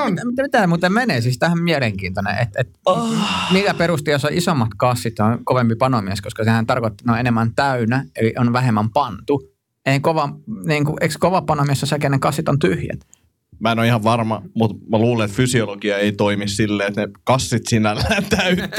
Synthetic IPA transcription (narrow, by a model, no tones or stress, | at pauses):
onmit̪mit̪æmut̪ːemeneˑsist̪æhmmiæleŋkiːnt̪onḛʔḛt̪et̪ | miːkæperust̪iosɑʔisomːɑt̪kɑsːit̪onkoʋempipɑnomiæˑskoskɑsehænt̪ɑrkot̪ːi̥noenemːænt̪æynæeliʔonʋæhemːæmpɑnt̪u | eˑikoʋɑniːŋkuʔeikskoʋɑpɑnomiesːosekenekɑsːit̪ont̪yhjæ̰t̪ | mæenoihɑʋʋɑrmɑmut̪mæluːleet̪fysiolokiɑeit̪oimissilːeːet̪nekɑsːit̪sinælːæt̪æyt̪